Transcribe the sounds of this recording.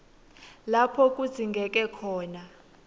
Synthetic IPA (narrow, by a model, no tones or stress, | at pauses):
lapʰɔk̬ʼudz̥ʱiŋɡʱɛk̬ʼɛkʰɔːna